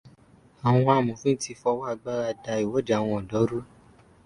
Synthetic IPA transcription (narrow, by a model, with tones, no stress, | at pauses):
a˨w̃ɔ̃˧a˨mũ˨fũ˦n̩˦ti˧fɔ˧wa˦˧ɡ͡ba˦ɾa˦˧˨da˧i˨wo˨˦d͡ʒa˨˦˨w̃ɔ̃˧ɔ˨dɔ˨˦ɾu˦